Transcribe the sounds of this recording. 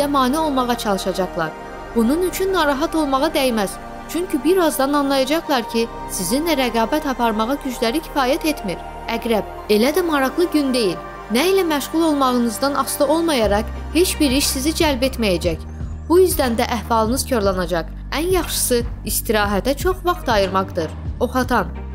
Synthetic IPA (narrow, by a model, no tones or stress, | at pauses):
zæmɑːnio̞lˠmɑʁɑt͡ʃʰɑlˠɯʃɑd͡ʒɑχlˠɑ̰ɾ | b̥ununyt͡ʃʰynːɑɾɑɦɑt̪o̞lˠmɑʁɑd̪æjmæz̥ | t͡ʃʰyɲcybiɾɑzd̪ɑnɑnlˠɑjɑd͡ʒɑχlˠɑɾcʰi | sizinlæɾæɡɑːbæt̪ɑpɑɾmɑʁɑɟyd͡ʒlæɾicʰi̥fɑːjæt̪e̞t̪miɾ | æɡɾæb̥̚ | e̞læd̪æmɑɾɑɣlˠɯɟynd̪e̞jil | næilæmæʃʁulˠo̞lˠmɑʁɯnɯzd̪ɑnɑslˠɯo̞lˠmɑjɑɾɑq | he̞t͡ʃbiɾiʃsizid͡ʒælbe̞t̪mæjæd͡ʒæc | b̥ujyzd̪ænd̪æʔæhvɑlˠɯnɯz̥cʰoɾlˠɑnɑd͡ʒɑq | ænjɑχʃɯ̥sɯ | ist̪iɾɑːɦæt̪æt͡ʃʰo̞χvɑχt̪ɑjɯɾmɑʁd̪ɯɾo̞χɑt̪ʰɑn